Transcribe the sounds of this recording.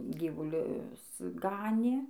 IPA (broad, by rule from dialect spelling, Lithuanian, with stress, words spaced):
ˈɡʲiːʋʊlʲʊs ˈɡɑːnʲeː